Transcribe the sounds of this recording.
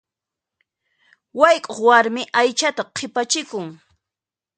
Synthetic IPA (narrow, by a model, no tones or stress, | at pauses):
wajkʼoχwaɾmɪʔajt͡ʃat̪aqʰɪpat͡ʃɪkʊŋ